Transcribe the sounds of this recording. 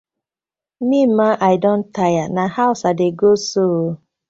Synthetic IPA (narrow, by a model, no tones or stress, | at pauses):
nimaʔaɪdõn̩tʰajanahaʊsadeɡoso